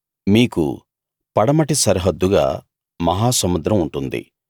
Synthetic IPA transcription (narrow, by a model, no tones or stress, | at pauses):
miːkṵ | pɐɽɐmɐʈisɐɾɐɦɐd̪ːuɡa̰ː | mɐɦaːsɐmud̪ɾɐmuɳʈund̪ḭ